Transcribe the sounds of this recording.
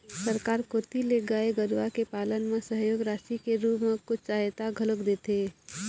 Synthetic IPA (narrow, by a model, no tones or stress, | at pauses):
səɾkaːɾkoːt̪ileɡaːeɡəɾʋakepaːlənmesəɦjoːɡɾaːsikeɾupmekʊt͡ʃʰt͡ʃaɦjt̪aɡʱələkd̪eːt̪e